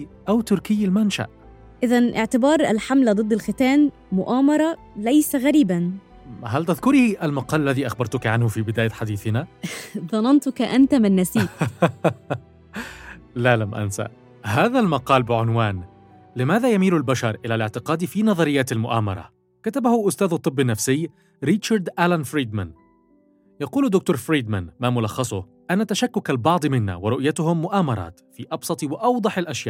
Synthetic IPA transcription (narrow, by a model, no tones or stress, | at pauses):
ʔawt̪ʊɾkɪjːalmanʃa̰ʔ | ʔɪðanʔɪʕt̪ɪbɑːɾˤa̰lħamlad̪ˤɨd̪ːɪlxɪt̪aːn | mʊʔaːmɑɾˤɑ | læjsaɣæɾiːban | ɦalt̪ɪðkʊɾʔalmɑqɑːlalːaðiːʔaxbɑɾˤt̪ʊkiʕanhʊfibɪd̪aːjaħad̪iːθɪnaðˤɑnɑnt̪ʊkaʔant̪amɪnːæsiː | lalamʔa̰nsa̰ʔ | ɦaːðalmɑqɑːlbɪʕʊnwaːn | lɪmaːðajamiːlʊlbaʃɑɾˤʔɪlalɪʕt̪ɪqɑːd̪ifiːnɑðˤɑɾɪjːaːt̪almʊʔa̰ːmɑ̰ɾˤɑ̰ | kat̪abahʊʔʊst̪aːðɑt̪ˤːɨbːɪnːafsɪjː | ɾɪt̪ʃɑɾˤd̪ʔalanfɾiːd̪man | jɑquːlad̪ʊk̚t̪uːɾfɾiːd̪manmaːmʊlɑxːɑsˤʊ | ʔanːat̪aʃakːʊkalbɑʕd̪ˤmɪnːa̰wɪɾˤʊʔjat̪ʊhʊmːʊʔaːmɑɾˤɑ̰ːt̪fiʔɑbsˤɑt̪ˤwɪʔɑwd̪ˤɑħalʔaʃja̰ːʔ